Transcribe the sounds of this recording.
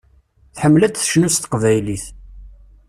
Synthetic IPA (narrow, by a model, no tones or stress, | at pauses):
θħəmːlæt͡sθəʃnust̪qvæjliθ